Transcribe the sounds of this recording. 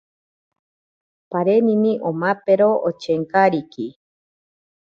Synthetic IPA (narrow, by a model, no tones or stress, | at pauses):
paɾemĩmĩʔomãpeɾoʔot͡ʃeŋkaɾiki